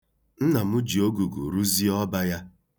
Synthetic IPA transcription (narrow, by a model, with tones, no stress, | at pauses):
n̩˦na˨mʊ˦d͡ʒi˨o˦ɡu˨ɡṵ˨ɾu˦zi˦ɔ˦ba˦ja˦